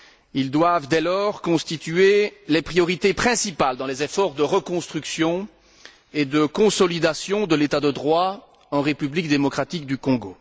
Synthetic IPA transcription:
ild̪wavd̪ɛlɔʁkɔ̃st̪it̪yelepχijɔʁit̪epχɛ̃sipald̪ɑ̃lezefɔʁd̪əʁəkɔ̃st̪χyksjɔ̃ | ed̪əkɔ̃sɔlid̪asjɔ̃d̪əlet̪ad̪əd̪ʁwa | ɑ̃ʁepyblik̚d̪emɔkχat̪ik̚d̪ykɔ̃ɡo

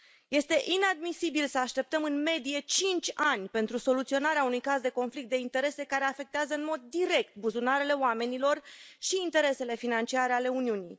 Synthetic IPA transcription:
je̞st̪e̞ʔinad̪misibilsəaʃt̪e̞p̚t̪əmɨnme̞d̪ije̞t͡ʃint͡ʃʲanʲpe̞nt̪ɾuso̞lut̪sio̞naɾeaunujkazd̪e̞ko̞nflikt̪d̪e̞int̪e̞ɾe̞se̞kaɾe̞afe̞k̚t̪eazəɨnmo̞d̪ːiɾe̞k̚t̪̚buzunaɾele̞oame̞nilo̞rʃiːnt̪e̞ɾe̞se̞le̞finant͡ʃiaɾeale̞uniunij

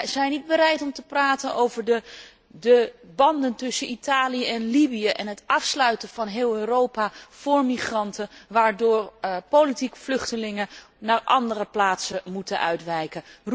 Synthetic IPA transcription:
zɛjnid̚bəɾɛjtɔmtəpraːtənowvəɹdə | dəbɑndəntʏsənitaːlijəɛnlibijəʔɛnɦətʔɑfslœɥtənvɑnɦɪːlˠøːrowpav̥ʊːɹmiχrɑntəʋaːɹdʊːrpolitikflʏχtəlɪŋə | naːɹʔɑ̰ndərəplaːtsəmutənʔœ̰ɥtʋɛjkə

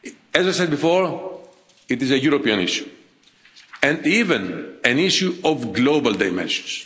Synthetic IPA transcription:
ɛzajsɛd̪̚bifoɹ | it̪izejuɾopiɐ̃nḭʃju̥ | ɛ̃ndivẽnæ̃niʃjuovɡlobɐld̪ajmḛ̃nʃõ̥ns

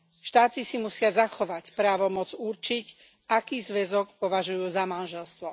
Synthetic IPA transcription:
ʃt̪aːtisimusɪazaxɔʋacpɾaːʋɔmɔd͡zuɾt͡ʃic | akiːzʋɛzɔkpɔʋaʒujuːzamanʒɛlst̪ʋɔ

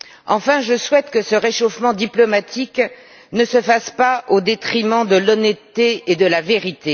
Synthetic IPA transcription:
ɑ̃fɛ̃ʒəswɛt̪kəsəʁeʃofmɑ̃d̪iplɔmat̪ʰik | nəsəfaspaod̪et̪χimɑ̃d̪əlɔnɛt̪ːeed̪əlaveʁit̪e

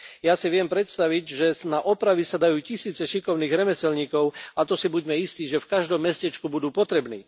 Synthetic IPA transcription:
jasiʋɪɛmpɾɛt̪st̪aʋiɟʒɛnaʔɔpɾaʋisad̪ajuːcisiːt͡sɛʃikɔʊniːɣɾɛmɛsɛlɲiːkɔʊat̪ɔsibuɟmɛist̪iːʒɛfkaʒd̪ɔmːɛscɛt͡ʃkubud̪uːpɔt̪ɾɛbnḭː

